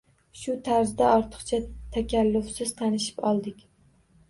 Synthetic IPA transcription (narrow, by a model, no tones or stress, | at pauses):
ʃʊt̪ʰaɾzd̪aɒɾt̪ʰɨ̥qt͡ʃʰat̪ʰakʲʰalːʊfsɪz̥t̪ʰanɪʃɪ̥pɒlˠd̪ɪkʲ